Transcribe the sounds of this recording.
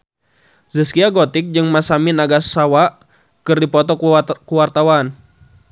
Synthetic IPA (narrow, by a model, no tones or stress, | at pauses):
zəskiaɡɔt̪ɪk̚d͡ʒɨŋmasaminaɡassawaʔ | kɨrdipɔt̪ɔkuwart̪awan